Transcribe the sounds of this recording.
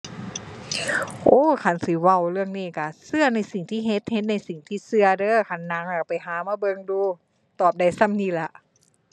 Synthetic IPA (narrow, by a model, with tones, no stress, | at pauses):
ʔoː˧˥˦kʰa˧˩˨nsiː˧˦wa˧˩wlɯ˧əŋniː˧˩˨ka˧˩sɯ˧ɐna˧˥˩jsi˨˩ŋt̪ʰiː˧˩ɦe˧˦t̪̚he˧t̪̚na˧˩jsi˨˩ŋt̪ʰiː˧˩sɯ˧ɐdɤː˧˥kʰa˧˩nːa˧˥˦ŋaː˧˩pa˨˩jɦaː˨˦maː˧˥bɤ˧ŋduː˧ | t̪ɔː˨˩p̚da˧˩jsa˧˨mniː˧˩la˧˦ʔ